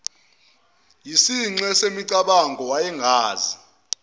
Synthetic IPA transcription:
jisiŋ͡ǀɛsemiǀaɓaŋɡʱɔwajɛŋɡʱaːzi

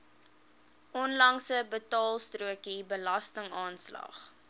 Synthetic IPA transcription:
ʔɔnlɐŋsəbətɑːlˠstruəkibəlɐstəŋɑːnslɐ̰χ

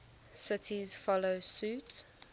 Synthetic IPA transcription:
sɪtʰiz̥fɔloʊsʉːˑt

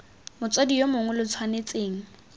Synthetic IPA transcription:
mʊt͡sʼodijomʊŋɛlʊt͡sʰwanet͡sʼeːŋ̩

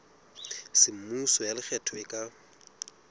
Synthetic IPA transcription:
sɪm̩musɔjalɪk͡xʰɛtʰɔɪkʼa

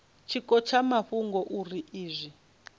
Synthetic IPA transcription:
t͡ʃʰikɔt͡ʃʰamaɸuŋɡɔʔuriʔiːzʷi

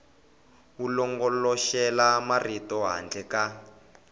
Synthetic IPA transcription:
wulɔŋɡɔlɔʃɛlamaritɔɦa̰nd͡ɮɛka

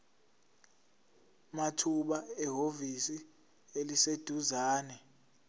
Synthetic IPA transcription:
matʰuɓaɛɦovisi | elised̥ʱuzaːnɛ

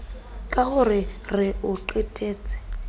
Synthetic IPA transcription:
kʼaɣʊrɪrɪʊǃɛtʼeːt͡sʼɪ̥

